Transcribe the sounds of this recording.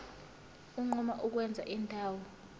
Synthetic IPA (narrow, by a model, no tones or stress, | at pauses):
uŋ͡ǃɔmaʔuk̬wɛnd͡zʱa̰ʔintʼaːwɔ